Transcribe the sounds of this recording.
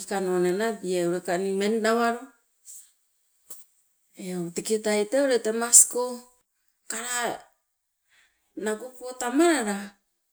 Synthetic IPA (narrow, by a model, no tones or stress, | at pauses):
ikanonenabiewɾekanimennaβaɾo | eotikitajtewɾetemasko | kaɾa | naɡupotamaɾaɾa